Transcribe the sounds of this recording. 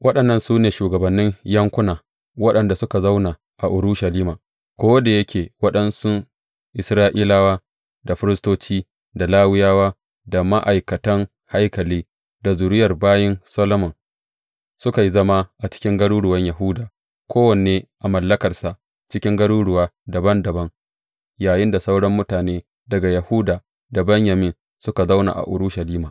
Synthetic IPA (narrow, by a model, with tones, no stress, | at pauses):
wʔɐ˦ɗɐ˨nːɐ˦˨nsuː˦neː˨ʃuː˨ɡɐ˨bɐ˨nːɪ˦ɲjɐ˦ŋkʷʊ˦naː˨ | wɐ˦ɗɐ˨nda˨sʊ˦ka˨za˦wna˨ | ʔa˨ʔʊ˨ɾu˦ʃa˨liː˦maː˨ | kʷoː˦wɐ˦da˨jɐ˦kʲeː˨wɐ˦ɗɐ˦nsʊ˦ | ʔɪ˨sɾaː˦ʔiː˦laː˦waː˦ | da˨ɸɪ˦ɾɪ˦stoː˦t͡ʃiː˦ | da˨laː˦wɪ˦jaː˦waː˦ | da˨ma˦ʔa˨jkɐ˨tɐ˦ŋ | ha˦jkɐ˨liː˦ | da˨zʊ˨ɾɪ˦jɐ˨rbaː˦jɪ˦nsɐ˦lo˦mɐ˨n | sʊ˦ka˨ji˦zɐ˦ma˦ʔa˨t͡ʃɪ̥˦kʲɪ˦ŋɡɐ˦ɽuː˦ɽʊ˨wɐ˦ɲjɐ˨ɦʊ˦daː˨ | kʷʰoː˦wɐ˨neː˦ʔa˨mɐ˨lːɐ˦kɐ˨rsa˨ʔ | t͡ʃɪ˦kʲɪ˦ŋɡɐ˦ɽuː˦ɽʊ˨waː˦dɐ˨bɐ˦ndɐ˨bɐ˦ŋ | jaː˨jɪ˦nda˨sa˦wɽɐ˦mːʊ˦taː˨neː˦ | dɐ˨ɡa˨jɐ˨hʊ˦daː˨ | da˨bɐ˦ɲjɐ˨mɪ˦n | sʊ˦ka˨za˦wna̰˨ʔa̰˨ʔʊ̰˨ɾʊ˦ʃa˨liː˦maː˨